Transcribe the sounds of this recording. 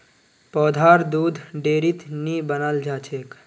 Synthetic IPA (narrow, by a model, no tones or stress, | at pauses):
pɔːd̪ʱaɾd̪ud̪ʱɖeːɾit̪nibənəld͡ʒaːt͡ʃʰek